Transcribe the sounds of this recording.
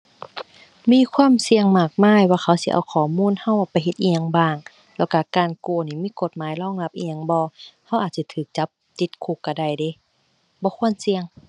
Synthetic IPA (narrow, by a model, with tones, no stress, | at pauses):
miː˧˥˨kʰwaː˧˥˨msi˧əŋmaː˧˩k̚maː˧˥˨jwaː˧xʰa˧˩wsi˧˦ʔa̰˧˩wkʰɔː˨˩muː˧˥˨nha˧˨wa˧pa˨jɦe˧˦t̪̚ʔi˧ɲa˧ŋbaː˧˩ŋ | lɛː˧˩˨wka˧˩kaː˨nku˧˩ɐniː˧˩miː˧˥˨ko˧˦t̪̚maː˨˦jlɔː˧˥˨ŋla˧˦p̚ʔi˧ɲa˧˨ŋbɔː˧ha˧˩wʔaː˨˩t̪̚si˧˦t̪ʰɯː˨˩k̚t͡ɕa˧˦p̚t̪i˧˦t̪̚kʰuː˧˩˨kːa˧˩da˧˩jde˧˦ | bɔː˧˦kʰu˧˥ə˨nsi˧əŋ